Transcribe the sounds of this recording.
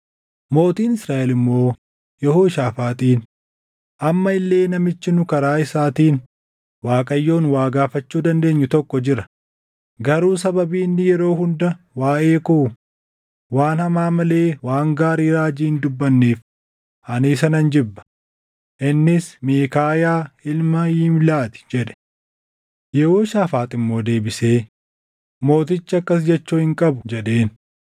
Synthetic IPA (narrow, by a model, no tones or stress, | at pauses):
mo̞ːt̪iːnɪsɾaːʔɛlɪmːo̞ː | jɛhoːʃaːfaːt̪ʼiːn | ʔɐmːɐɪlːe̞ːnɐmɪt͡ʃːɪnʊkɐɾaːɪsaːt̪iːn | waːkʼɐjːo̞ːnwaːɡaːfɐt͡ʃːuːd̪ɐnd̪e̞ːɲːʊt̪ɔkːɔd͡ʒɪɾɐ | ɡɐɾuːsɐbɐbiːnːɪjɛɾo̞ːɦʊnd̪ɐ | waːʔeːkʊ | waːnhɐmaːmɐle̞ːwaːŋɡaːɾiːɾaːd͡ʒiːnd̪ʊbːɐnːeːf | ʔɐnɪːs̬ɐnɐnd͡ʒɪbːɐ̥ | ʔɪnːɪsmeːkaːjaːɪlmɐjɪmlaːt̪ɪ̥d͡ʒɛᶑɛ̥ | jɛhoːʃaːfaːt̪ʼɪmːo̞ːd̪e̞ːbɪse̞ː | mo̞ːt̪ɪt͡ʃːɐkːɐs̬d͡ʒɛt͡ʃːuːhɪŋkʼɐbʊd͡ʒɛᶑe̞ːn